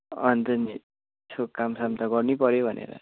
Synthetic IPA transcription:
ʌnt̪ʌni | t͡sʰokamsʌmt̪ʌɡʌrnipʌɾjebʱʌnʔḛɾʌ̰

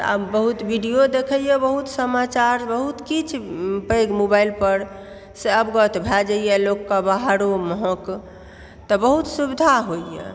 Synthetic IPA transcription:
a̰bəɦut̪biɖijod̪ekʰəijɛbəɦut̪səmat͡ʃaɾbəɦut̪kit͡ʃʰpəɡmobailpəɾ | seəbɡɔt̪bʱɛd͡ʒajɛlokːəbaɦaɾoməɦə̃k | t̪ɔbəɦut̪subid̪ʱaɦoijɛ̰

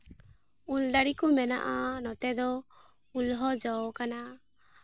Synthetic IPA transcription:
ulɖaɽikɔmɛna̰ʔanɔt̪ɛd̪ɔ | ulɦɔd͡ʒɔwkana

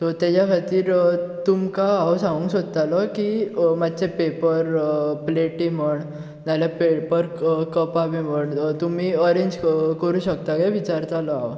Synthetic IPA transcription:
t̪ɔt̪jat͡ɕjakʰat̪iːɾt̪umkaːʋsãŋɡuŋksod̪ət̪alɔkimat̪ːt͡ɕepepəɾpleʈiməɳ | nalapepəɾkəpaʋem̤əɳt̪umiːəɾeɲd͡ʑkəɾuːɕəkt̪akaʋit͡ɕaɾt̪alɔaʋw

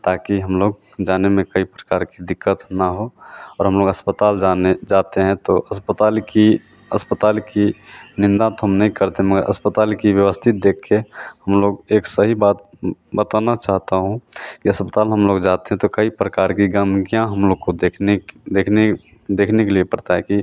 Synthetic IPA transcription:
t̪aːkiɦəmloːɡ | d͡ʒaːnemẽkəipɾə̥kaːɾkid̪ɪkːət̪naɦoɔːɾɦəmloːɡəspət̪aːld͡ʒaned͡ʒaːt̪eɦɛ̃t̪oəspət̪aːlki | əspət̪aːlkinɪ̃nd̪ãt̪oɦəmnəɦĩkɐɾt̪eɦɛ̃məɡəɾʔɐ̰spət̪aːlkiʋjəʋəst̪ʰɪt̪̚d̪eːkʰːehəmloːɡeːksəɦibaːt̪̚ | bət̪anat͡ʃaːɦt̪aɦũkiəspət̪aːlɦəmloːɡd͡ʒaːt̪eɦɛ̃t̪okəipɾəkaːɾkiɡə̃nɡijãɦɐmloːɡ̚kod̪ened̪eːkʰne | d̪eːkʰnekeliepɐɾt̪aɦɛki

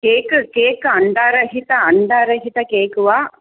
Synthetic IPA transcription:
keːkkeːkɐɳɖaːɾɐɦit̪ɐɐɳɖaːɾɐɦit̪ɐkeːkuʋaː

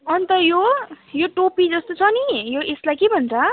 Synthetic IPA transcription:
ʌnt̪ʌjo | joʈopid͡zʌst̪ot͡sʰʌnijoeslajkebʱʌnt͡sʰʌ

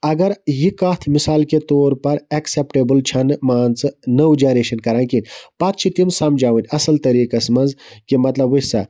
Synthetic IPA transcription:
ɐɡɐɾjikaːt̪ʰmisaːlket̪oːɾpɐɾɐksepʈebɨlt͡ʃʰɐnɨmaːnt͡sɨnɐwd͡ʒaːneːʃɐnkɐɾaːnkinʲpɐt̪̚t͡ʃʰit̪imsɐmd͡ʒaːwinʲɐsɐlt̪ɐɾiːkɐsmɐnzkimɐt̪lɐbusa̰

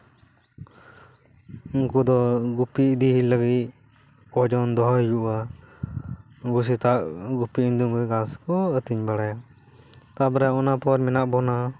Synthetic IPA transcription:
uŋkud̪ɔɡupid̪iɦiləɡit̪̚ | kɔd͡ʒɔnd̪ɔɦɔjd͡ʒuʔa | ɡus̬it̪aʔɡupiiɲd̪uŋɡujɡãskɔət̪iɲbaɽaja | t̪abɾɛɔnapɔɾminaʔbɔna

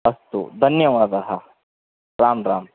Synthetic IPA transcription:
ɐst̪ṵd̪ʱɐnjɐʋaːd̪ɐɦɐ | ɾaːmɾaːm

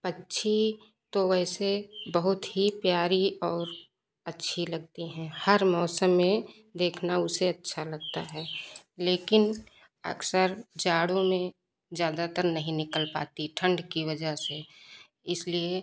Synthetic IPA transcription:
pətːʃʰi | t̪oɛːsebəɦʊt̪ɦipjaːɾiɔːɾ | ətːʃʰiləɡ̚t̪iɦɛ̃həɾmɔːsəmːẽ | d̪eːkʰnaʊseətːʃʰaləɡ̚t̪a̰ɦɛːleːkɪn | ə̰ɡsəɾd͡ʒaːɽõmẽ | d͡ʒjaːd̪at̪əɾnəɦĩnɪkəlpa̰ːt̪iʈʰə̃ɳɖkiʋəd͡ʒəse | ɪslie

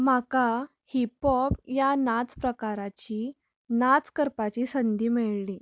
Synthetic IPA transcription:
m̤aka | hipɔp̚janat͡spɾəkaɾat͡ɕiː | nat͡skəɾpat͡ɕiːsənd̪iːmeɭli

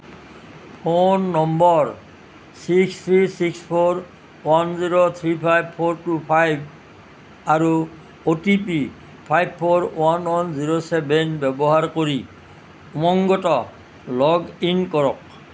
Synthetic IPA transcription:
pʰonːɔmbɔɹ | sikst̪ʰɹisikspʰoɹ | wanziɹot̪ʰɹipʰajb̚pʰoɹtupʰajb̚ | aɹu | otip̬i | pʰajb̚pʰːoɹwanwɔnziɹosɛbɛnbɛbɔɦaɹkoɹi | umɔŋɡɔtɔ | lɔɡinkɔɹɔk̚

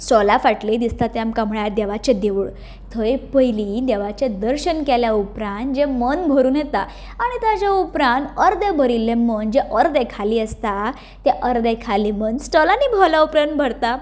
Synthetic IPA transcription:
sɔlafaʈled̪ist̪at̪eamkam̤ɭad̪eʋat͡ɕẽd̪eʋuɭ | t̪ʰəjpəjlid̪ɛʋat͡ɕed̪əɾɕənkɛljaupɾãnd͡ʑemənbʱəɾuːnjet̪a̰ | aɽ̃it̪ad͡ʑaupɾãnt̪əɾd̪ebʱəɾilːẽmənd͡ʑeʔəɾd̪ekʰaliːəst̪a | t̪eʔəɾd̪ekʰalimənsʈɔlaniːbʱɔlaupɾan̚bʱəɾt̪a

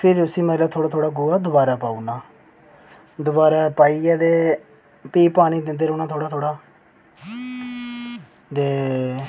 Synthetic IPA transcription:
pʰɪɾʊsiːmɛ̃ːlaːt̪ʰoːɽaːt̪ʰoːɽaːɡʊaːd̪ʊbaːɾaːpaːuːnaː | d̪ʊbaːɾaːpaːiːɛːd̪eː | piːpaːɽ̃iːd̪ɪnd̪eːɾʊnaːt̪ʰoːɽaːt̪ʰoːɽaː | d̪eː

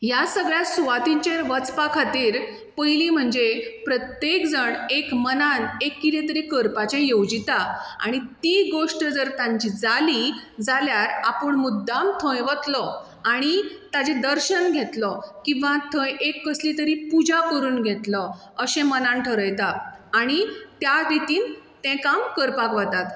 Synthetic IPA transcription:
jasəɡɭjasuʋat̪ĩɲt͡ɕeɾʋət͡spakʰat̪iːɾ | pəjlim̤əɳd͡zepɾət̪jekd͡zəɳekmənanekːit̪ẽt̪əɾikəɾpat͡ɕẽjowd͡ʑit̪aa̰ɽ̃it̪iɡoʂʈəd͡zəɾt̪ãɲt͡ɕid͡zalid͡zaljaɾa̰pəɳmud̪ːamt̪ʰə̃jʋət̪lɔ | aɽ̃it̪ad͡ʑẽd̪əɾɕənɡʱet̪lɔkĩʋãt̪ʰə̃jekːəslit̪əɾipud͡ʑakəɾuːnɡʱet̪lɔ | əɕẽmənãnʈʰəɾəjt̪aːɽ̃it̪jad̪it̪iːnt̪ɛ̃kamkəɾpakʋat̪at̪

